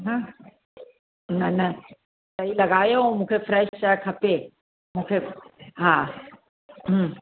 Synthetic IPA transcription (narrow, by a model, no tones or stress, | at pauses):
ɦã | nɐnɐ | t̪ɐilɐɡaːjomũːkʰefɾɛːʃt͡ɕakʰɐpe | mũːkʰeɦãː | ɦ